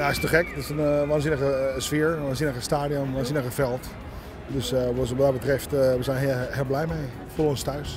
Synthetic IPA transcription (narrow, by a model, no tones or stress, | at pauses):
jaɪstəxɛkdɔɪsənʋaːnzinəɣəsfɪəɹʋaːnzinəɣəstaːdiɔnʋaːnzinəɣəfɛlˠt | døsʋəɔsʋɔdɔbətrɛftʋəsɛjnhɪlˠblɛjmɛj | foronstœɥs